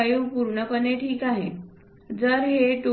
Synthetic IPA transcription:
ajuːpuɾɳəpəneʈʰiːkaɦe | d͡zəɾɦeʈu

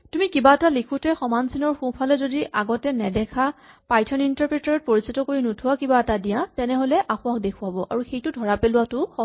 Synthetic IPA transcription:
tumikibaɛtalikʰutɛxɔmansinɔɹxũpʰalɛzodiʔaɡɔtɛnɛdɛkʰa | pajtʰɔnintaɹpɹitaɹɔt̚poɹisitɔkoɹinutʰʊwakibaɛtadijatɛnɛɦolɛʔaxʊak̚dekʰʊwabɔʔa̰ɹuxejtʊdʱɔɹapelʊwatʊxɔ

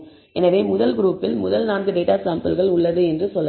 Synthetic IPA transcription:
ɛnɐʋeːmʊðɐlɡɪɾuːpːɪlmʊðɐlnaːnɡɯɖeːʈaːsaːmpɐlɣɐɭʊɭːɐðɯɛndrɯsɔlːɐ

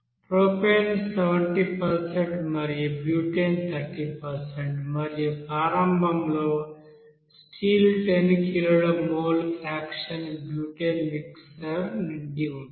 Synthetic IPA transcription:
pɾoːpelseʋɐɳʈipɐɾseɳʈmɐɾijubjuːʈent̪ʰɐɾʈiːpɐɾseɳʈmɐɾijupaːɾɐmbʱɐmloː | sʈiːlʈenkiluɽumoːlaːkʂɐnbjuːʈeːnmiksɐɾniɳɖiun

